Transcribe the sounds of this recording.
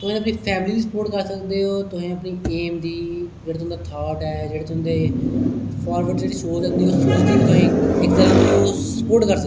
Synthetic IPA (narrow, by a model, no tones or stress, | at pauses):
t̪ʊɦẽːəpniːpʰɛːmliːd̪iːsəpoːɾʈkəɾsəkd̪eːɦoːt̪ʊɦĩːəpniːeːmd̪iːd͡ʒeːɽeːʊ̃nd̪aːt̪ʰaːʈɛːd͡ʒeːɽeːt̪ʊnd̪eː | pʰaːɾʋəɾʈd͡ʒeːɽiːʃoːsəkd̪iːɦoːsoːd̪eːt̪ʊɦĩːɪkd̪əɾoːsəpoːɾʈkəɾsə